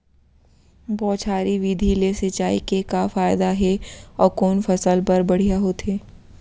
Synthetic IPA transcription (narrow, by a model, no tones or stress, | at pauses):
bɔːt͡ʃʰaːɾiʋid̪ʱilesɐt͡ʃaːikekafaːɪd̪aɦɛɔːɾkoːnfɐsəlpɐɾbɐɽ̤ijaɦoːt̪ɦeː